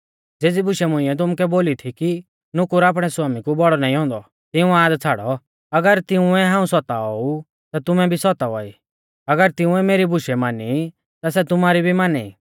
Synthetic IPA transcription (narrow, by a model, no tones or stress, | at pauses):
d͡zeːd͡zibʊʃɛmʊ̃ɪ̃ɛt̪̬ʊmkɛboːlit̪ʰiki | nʊkʊɾaːp̬ɽ̃ɛsʊaːmikubɔɽɔnaːĩɦɔ̃ːnd̪ɔ | t̪ɪũãːd̪t͡sʰaːɽɔ | ɐɡəɾt̪ɪũɛɦãːũsɔt̪aɔu | t̪at̪ʊmɛbʱisɔt̪aʋɔḭ | ɐɡəɾt̪ɪ̃ũɛmeːɾibʊʃɛmaːni | t̪as̬ɛt̪ʊmaːɾibʱimaːnɛ̰